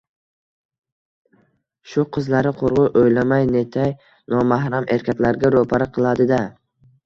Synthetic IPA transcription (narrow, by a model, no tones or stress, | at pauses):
ʃʊqʰɨzlaɾɪqʰoɾʁʊʔojlamajne̞t̪ʰaj | nɒmahɾamʔe̞ɾkʲʰak̪ʲlaɾɡʲaɾopʰaɾɪqʰɨlˠad̪ɪd̪a